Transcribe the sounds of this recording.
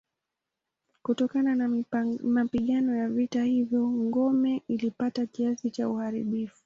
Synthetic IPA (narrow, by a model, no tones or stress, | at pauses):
kutɔkananamapiɠanɔjavitahivjɔŋɡɔmɛʔilipatakiasit͡ʃauhaɾḭɓifu̥